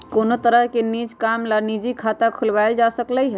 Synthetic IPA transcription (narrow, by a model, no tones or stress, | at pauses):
konot̪əɾəɦkenid͡ʒkamlanid͡ʒikʰat̪akʰulbajld͡ʒasəkləjɦ